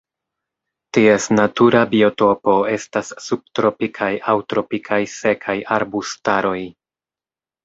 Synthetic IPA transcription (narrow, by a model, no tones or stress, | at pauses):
tie̞snatuɾabio̞to̞po̞e̞stasːub̚tɾo̞pikʰajʔawtɾo̞pikʰajse̞kʰajʔaɾbustaɾo̞j